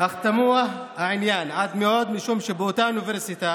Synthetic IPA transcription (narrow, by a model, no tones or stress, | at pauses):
aχt̪amua | haʕinjanʕad̪meod̪miʃumʃebot̪auniveɾsit̪a